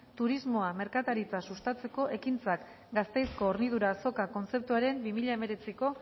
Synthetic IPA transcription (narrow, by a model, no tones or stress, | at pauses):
t̪uɾizmo̞ame̞ɾkat̪aɾit͡sasust̪at͡se̞ko̞ʔe̞kint͡sak | ɡast̪e̞jsko̞ːɾniðuɾaːso̞kako̞nt͡se̞p̚t̪uaɾe̞mbimiʎaeme̞ɾe̞t͡siko̞